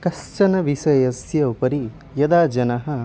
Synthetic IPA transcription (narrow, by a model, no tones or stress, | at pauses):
kɐst͡ʃɐnɐʋiʃɐjɐsjɐupɐɾi | jɐd̪aːd͡ʒɐnɐɦɐ